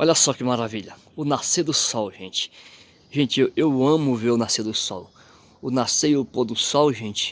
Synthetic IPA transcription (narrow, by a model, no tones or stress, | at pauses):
ɔʎɐsɔkɪmaɾaviʎɐ | ʊnased̪ʊsɔwʒẽt͡ʃɪ̥ | ʒẽnt͡ʃɪewewɐ̃mʊveɾʊnased̪ʊsɔ̰w | ʊnasejʊpod̪ʊsɔwʒẽt͡ʃɪ̥